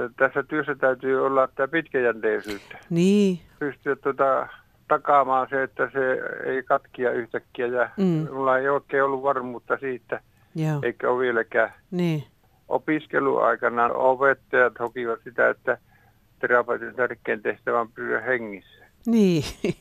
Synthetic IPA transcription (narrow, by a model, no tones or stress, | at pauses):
t̪æsːæt̪yøsːæt̪æyt̪yːolːɑit̪æpit̪kæjænt̪eisyːt̪ːæ̥niːpyst̪yʋæt̪t̪uot̪ɑ | t̪ɑkɑmɑːnseet̪ːæseḛˑikɑt̪kiɑyht̪ækːiæjɑmulːɑeˑioˑekːˑeːolːuʋʋɑrmuːt̪ːɑsiːt̪ːæ | jḛikːæoʋʋielækæː | niː | ʔo̰piskḛlṵɑ̰ˑikɑnɑopet̪ːɑjɑt̪hokiʋɑt̪sit̪æ̰ḛt̪ːæ | t̪erɑpoit̪iont̪ærkːˑeːnt̪eht̪æʋæmpyːæ̰heŋːisːæ̥ | niː